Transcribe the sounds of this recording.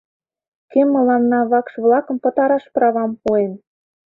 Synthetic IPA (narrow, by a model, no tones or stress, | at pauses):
kemːə̆lɑnːɑβɑkʃβlɑkə̆mpɤ̆t̪ɑɾɑʃprɑβɑmpuen